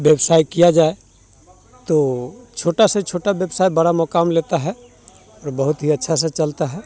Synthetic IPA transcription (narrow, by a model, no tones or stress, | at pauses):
ʋjəbsaːjkijad͡ʒaːe | t̪ot͡ʃʰoːʈaset͡ʃʰoːʈabjəbsaːjbɐɽamɔkaːmleːt̪aɦɛ | ɔːɾbəɦʊt̪ɦiɐtːʃʰas̬et͡ʃɐlt̪aɦɛː